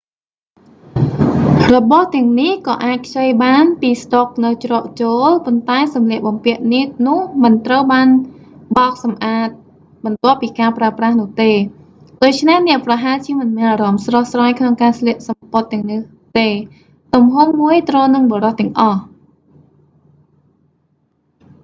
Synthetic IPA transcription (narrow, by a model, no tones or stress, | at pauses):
rɔɓɑht̪ɛ̆əŋnihkɑːʔaːc̚kʰt͡ɕəjɓaːnpiːst̪ok̚nɨwt͡ɕrɑːʔ̚t͡ɕoːlpont̪aɛsɑmlɛəʔ̚ɓɑmpiəʔ̚niəʔ̚nʊ̆əhmɨnt̪rəwɓaːnɓɑːk̚sɑmʔaːt̪̚ | ɓɑnt̪ŏəpːiːkaːpraəprahnʊ̆əht̪eː | ɗoːc̚t͡ɕʰnehnɛ̆əʔprɑɦaːt͡ɕiəmɨnmɛənʔaːɾɑmsrɑhsraːjkʰnoŋkaːsliəʔ̚sɑmpot̪ːɛ̆əŋnɨh | t̪eː | t̪umɦumːuəjt̪roːnɨŋɓoːɾɑht̪ɛ̆əŋʔɑh